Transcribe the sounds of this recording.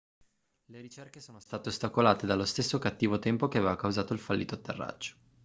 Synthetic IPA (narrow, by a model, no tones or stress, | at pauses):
leɾit͡ʃerkesoːnost̪aːt̪eost̪akolaːt̪ed̪alost̪esːokat̪ːiːvot̪ɛmpokeaveːvakawzaːt̪oilfalːiːt̪oat̪ːḛrːa̰d͡ʒːo̥